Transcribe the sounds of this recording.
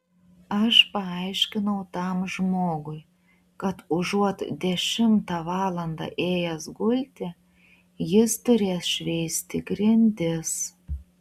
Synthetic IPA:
ɐʃpɐɑjʃʲkʲɪnɐʊt̪ɑmʒmoːɡʊj | kɐt̪ʊʒuɔt̪d̪ʲɛʃʲɪmt̪ɑʋɑːlˠɐnd̪ɑ̰ʔeːjɛsɡʊlʲt̪ʲɪ | jɪst̪ʊɾʲeːsʃʲʋʲejsʲt̪ʲɪɡɾʲɪnʲd̪ʲɪs

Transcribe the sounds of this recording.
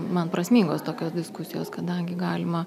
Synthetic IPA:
mɐnpɾɐsʲmʲiːŋɡoːst̪oːkʲoːsd̪ʲɪskʊsʲɪjo̰ːskɐd̪ɐŋʲɡʲɪɡɑːlʲɪmɐ

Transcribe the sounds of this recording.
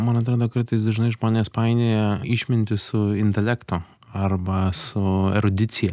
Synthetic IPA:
mɐnɐt̪ɾɑːd̪oːkɐɾt̪ɐɪs̬d̪ɐʒnɐɪʒmoːnʲɪjɛspɑɪnʲejɛɪʃʲmʲɪnʲt̪ʲɪsʊɪnʲt̪ʲɛlʲɛkt̪o | ɐɾbɐsʊɛɾʊd̪ʲɪt̪sʲɪjɛ

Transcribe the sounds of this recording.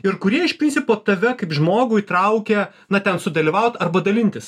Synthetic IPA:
ɪɾkʊɾʲiɛɪʃpʲɾʲɪnʲsʲɪpoːt̪ɐʋʲɛkɐɪpʒmoːɡʊit̪ɾɐʊkʲeː | nɐt̪ʲɛnsʊd̪ɐlʲiːʋɐʊt̪ɐrbɐd̪ɐlʲɪnʲt̪ʲɪs

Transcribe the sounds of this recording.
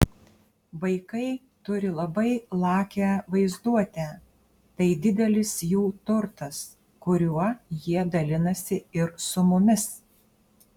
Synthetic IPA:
ʋɐɪkɐɪ | t̪ʊɾʲɪlˠɐbɐɪlˠɑːkʲæʋɐɪzd̪uɔt̪ʲæː | t̪ɐɪd̪ʲɪd̪ʲɛlʲɪsjuːt̪ʊɾt̪ɐs | kʊɾʲuɔjiɛd̪ɐlʲɪnɐsʲɪɪɾsʊmʊmʲɪs

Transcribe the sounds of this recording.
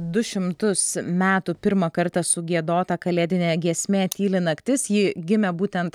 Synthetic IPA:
d̪ʊʃʲɪmt̪ʊsmʲæːt̪upʲɪɾmɐkɐɾt̪ɐsʊɡʲiɛd̪oːt̪ɐkɐlʲeːd̪ʲɪnʲeːɡʲiɛsʲmʲeːt̪ʲiːlʲɪnɐkt̪ʲɪsjiːɡʲɪmʲɛbuːt̪ʲɛnt̪

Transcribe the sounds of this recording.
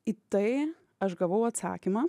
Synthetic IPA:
it̪ɐɪ | ɐʃɡɐʋɐʊɐt̪sɑ̰ːkʲimɑ

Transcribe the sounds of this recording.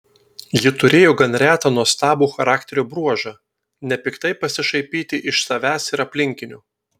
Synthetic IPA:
jɪt̪ʊɾʲeːjoːɡɐnɾʲæːt̪ɐːnuɔst̪ɑːbuːxɐɾɑːkt̪ʲɛɾʲuːbɾuɔʒɑː | nʲɛpʲɪkt̪ɐɪpɐsʲɪʃɐɪpʲiːt̪ʲɪʔɪʃsɐʋʲæːsɪɾɐpʲlʲɪŋʲkʲɪnʲʊː

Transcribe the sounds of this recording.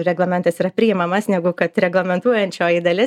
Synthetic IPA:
ɾʲɛɡlˠɐmʲɛnt̪ɐsiːɾɐpʲɾʲɪɪmɐmɐsnʲæɡʊkɐt̪ɾʲɛɡlˠɐmʲɛnt̪uɔjɛnʲt͡ʃʲoːjid̪ɐlʲɪ

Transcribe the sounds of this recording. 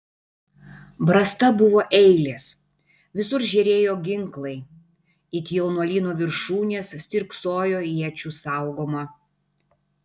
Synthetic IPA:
bɾɐst̪ɐbʊʋoːʔɛɪlʲeːs | ʋʲɪsʊɾʒʲɛɾʲeːjoːɡʲɪŋklˠɐɪ | ɪt̪ʲjɛʊnuɔlʲiːnoːʋʲɪɾʃuːnʲeːssʲt̪ʲɪɾksoːjoːiɛt͡ʃʲuːsɑˑʊɡoːmɐ

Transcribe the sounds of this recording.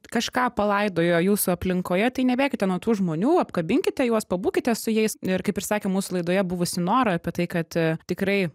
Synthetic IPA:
kɐʃkɑːpɐlˠɐɪd̪oːjoːjuːsʊɐpʲlʲɪŋkoːjɛt̪ɐɪnʲɛbʲeːkʲɪt̪ʲɛnuɔt̪uːʒmoːnʲuːɐpkɐbʲɪŋʲkʲɪt̪ʲɛjuɔspɐbuːkʲɪt̪ʲɛsʊjɛɪsɪɾkɐɪpɪɾsɑːkʲeːmuːsʊlˠɐɪd̪oːjɛbʊʋʊsʲɪnoːɾɐɐpʲiɛt̪ɐɪkɐt̪tʲɪkɾɐɪ

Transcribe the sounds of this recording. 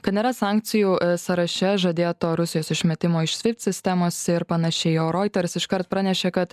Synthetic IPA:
kɐt̪nʲeːɾɐsɑˑːŋʲkt̪sʲɪjuːsɐɾɐʃʲɛʒɐd̪ʲeːt̪oːɾʊsʲɪjoːsɪʃʲmʲɛt̪ʲɪmoːɪʃsʲʋʲɪpʲt̪ʲsʲɪsʲt̪ʲɛmoːsʲɪɾpɐnɐʃʲɛɪjoːɾoːɪt̪ʲɛɾsɪʃkɐɾt̪̚pɾɑːnʲɛʃʲekɐt̪

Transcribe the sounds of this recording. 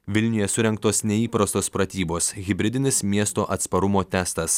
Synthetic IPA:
ʋʲɪlʲnʲʊjɛsʊɾʲɛŋk̚t̪oːsnʲɛiːpɾɐst̪oːspɾɐt̪ʲiːboːsɣʲɪbʲɾʲɪd̪ʲɪnʲɪsmʲiɛst̪oːʔɐt̪spɐɾʊmoːt̪ʲæːst̪ɐs

